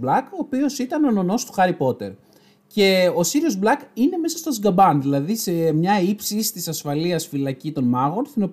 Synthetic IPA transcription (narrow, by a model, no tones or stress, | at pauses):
blɐko̞ːpio̞sit̪ɐnono̞no̞st̪u̥xɐɾipo̞t̪e̞ɾ | ce̞o̞siɾio̞zblɐkine̞me̞sɐst̪ozɡɐbɐnðilɐðise̞mɲɐipsist̪isɐsfɐliɐsfilɐcit̪o̞nmɐɣo̞nθino̞p